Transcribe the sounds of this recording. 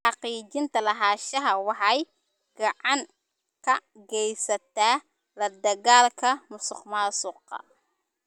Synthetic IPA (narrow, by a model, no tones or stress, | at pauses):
ħɑqiːt͡ʃɪnt̪ʰɐlɐɦaːʃɐɦɐwɑħɑj | ɡɑʕɑŋ | kʰɐɡɛjsɐt̪ʰaː | lɐd̪ɐɣaːlkʰɐmʊsʊqmaːsʊqɑ̰